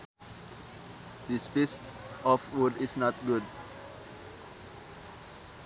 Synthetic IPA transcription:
dispist | ɔfwudisnɔtɡud̚

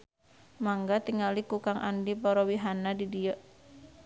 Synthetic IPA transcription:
maŋɡat̪iŋalikukaŋʔa̰ndipɔɾɔwiɦanadidiəʔ

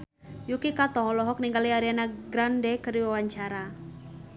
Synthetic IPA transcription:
jukikat̪ɔlɔɦɔk̚niŋɡaliaɾianaɡɾandɛkəɾiwawaɲt͡ʃaɾa

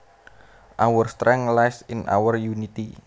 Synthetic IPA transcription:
ʔawərst̪ɾɛŋlajsɪnʔa̰wərjunit̪i

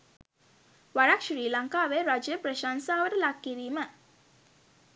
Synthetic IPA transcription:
ʋaɾakʃɾiːlaŋkaːʋeɾad͡ʒjəpɾəʃaːnsaːʋəʈəlakːiɾiːmə

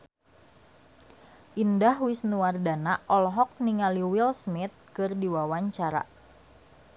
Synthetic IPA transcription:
ʔindahwisnuwardanaʔɔlɦɔk̚niŋaliwilsmɪt̪̚kɨrdiwawaɲt͡ʃaɾa̰

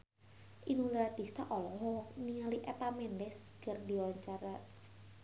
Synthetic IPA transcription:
ʔinulɾad̪̥ist̪aʔɔlɔɦɔniŋaliʔɛpamɛndɛskərdiwaɲt͡ʃaɾa

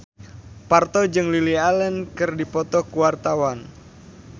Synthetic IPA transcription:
part̪ɔd͡ʒɨŋlilialɛnkɨrdipɔt̪ɔkuwart̪awan

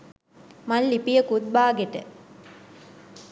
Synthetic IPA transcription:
mɐllipijəkud̪̚baːɡet̪ə

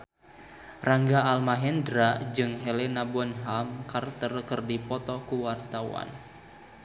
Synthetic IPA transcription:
raŋɡaːlmaɦɛndɾad͡ʒɨŋɦɛlɛnabɔnɦamkart̪ərkərdipɔt̪ɔkuwart̪awa̰n

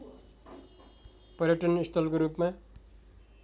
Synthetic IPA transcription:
pʌɾjʌʈʌnist̪ʰʌlkoɾupma

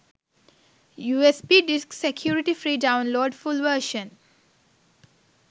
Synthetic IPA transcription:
juːespiːɖɪsksekʰjuːɾiʈifɾiːɖãʊ̃nloːɖfulʋəːʃə̃n

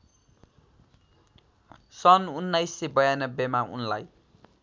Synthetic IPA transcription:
sʌnunːajsːebʌjanʌbːemaṵnla̰j

